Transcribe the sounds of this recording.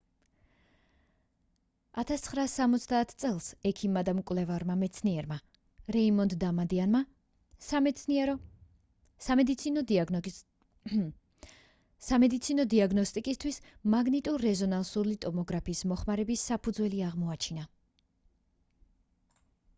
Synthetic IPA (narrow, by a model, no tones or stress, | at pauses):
at̪ʰast̪sχɾaːsamɔt̪sʰd̪aːt̪ʰt̪sʼɛlˠsɛkʰimːad̪amkʼwlɛvaɾmamɛt̪sʰniɛɾma | ɾɛimɔnd̪d̪amad̪ianma | samɛt̪sʰniɛɾɔ | samɛd̪it̪sʰinɔ | samɛd̪it̪sʰinɔd̪iaɡnɔst̪ʼikʼist̪ʰwismaɡnit̪ʼuɾːɛzɔnansulit̪ʼɔmɔɡɾapʰiːsmɔχmaɾɛbisːapʰud̪zwɛliaʁmɔat͡ʃʰina